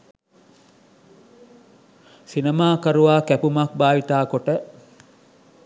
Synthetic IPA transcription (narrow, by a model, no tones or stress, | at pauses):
sinemaːkəɾuʋaːkæpumak̚baːʋit̪aːkoʈə